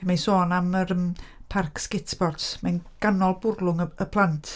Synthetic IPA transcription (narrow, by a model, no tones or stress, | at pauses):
majsoːnaməɾəmpʰarkskɪtʰb̥ɔrtsmanɡ̥anɔlˠbʊrlˠʊŋəəpʰlˠantʰ